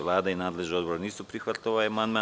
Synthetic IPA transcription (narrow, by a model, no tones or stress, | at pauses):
ʋlˠaːd̪ainaːd̪leʒnio̞d̪boɾniːsupɾixʋat̪lʲoʋajamand̪ma